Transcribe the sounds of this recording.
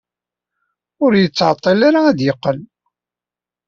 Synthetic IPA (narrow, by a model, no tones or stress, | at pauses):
ʊɾjət͡sːʕt̪ˤːɑlaɾaæðjəqːəl